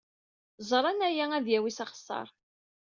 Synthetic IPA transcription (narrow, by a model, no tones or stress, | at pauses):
zˤɾˤɑnæjææðjæwisɑχə̥sˤːɑ̰ɾˤ